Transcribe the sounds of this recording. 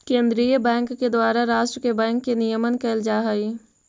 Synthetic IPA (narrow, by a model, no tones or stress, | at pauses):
kẽːnd̪ɾijəbɛ̃ːŋkːed̪waːɾaɾaːʃʈɾəkebɛ̃ːŋkːenijəmənkɛld͡ʒaːɦəi